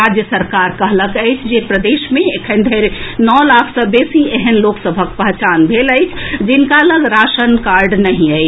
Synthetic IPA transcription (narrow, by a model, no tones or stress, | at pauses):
ɾad͡ʒjəsəɾkaɾkəɦləkəɪt͡ʃʰd͡ʒepɾəd̪eʃmeekʰənd̪ʱəɾnɔlakʰsəbesieɦənloksəbʱəkpəɦt͡ʃanbʱeləɪt͡ʃʰd͡ʒinkaləɡɾasənkaɾɖnəɦĩəɪt͡ʃʰ